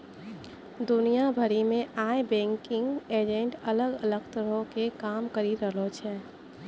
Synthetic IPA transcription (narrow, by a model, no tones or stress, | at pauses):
d̪unijabʱəɾimẽʔaebɛ̃ŋkɪŋɡed͡ʒeɳʈələɡələɡt̪əɾokekamkəɾiɾəɦlot͡ʃʰɛ